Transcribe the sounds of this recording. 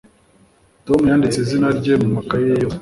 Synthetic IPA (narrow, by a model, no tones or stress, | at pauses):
to̞mujaːndit͡sezinaɾɟe̞mumakajejo